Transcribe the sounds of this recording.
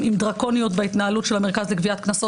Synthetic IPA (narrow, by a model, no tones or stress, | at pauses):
imd̪ʁako̞nijo̞t̪bait̪naalutʃelame̞ʁkazlekviat̪knaso